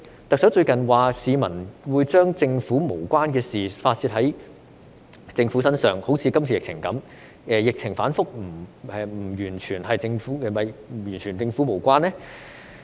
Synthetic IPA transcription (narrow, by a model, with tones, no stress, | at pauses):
t̪ɐ˨k̚sɐ˨˥wt͡ʃɵ˧ɥkɐ˨˩nwaː˨siː˨˧mɐ˨˩nwuː˨˧jt͡ʃœː˥ŋt͡sɪ˧ŋfuː˨˥mo˨˩wkʷaː˥nkɛː˧siː˨faː˧t̚siː˧t̚hɐ˨˥j | t͡sɪ˧ŋfuː˨˥sɐ˥nsœː˨ŋho˨˥wt͡sʰiː˨˧kɐ˥mt͡sʰiː˧jɪ˨k̚t͡sʰɪ˨˩ŋkɐ˨˥m | ɛː˨jɪ˨k̚t͡sʰɪ˨˩ŋfaː˨˥nfʊ˥k̚m̩˨˩ɛː˨˧m̩˨˩jyː˨˩nt͡ʃʰyː˨˩nɦɐ˨jt͡sɪ˧ŋfuː˨˥˨mɐ˨jjyː˨˩nt͡ʃʰyː˨˩nt͡sɪ˧ŋfu˨˥mo˨˩wkʷaː˥nːɛː˥